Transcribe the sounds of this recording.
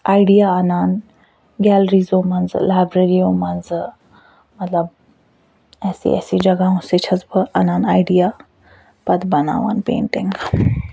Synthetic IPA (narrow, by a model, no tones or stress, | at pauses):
ajɽijaənan | ɡʲɛlɾizomand͡zə̰lajbɾeɾiomand͡zə | mət̪ləb̚ | ɛsḭɛ̰sid͡ʑɐɡaɦũset͡ɕʰɐt͡sbəʔananajɽija | pət̪bəna̰ʋa̰npḛɳʈẽŋka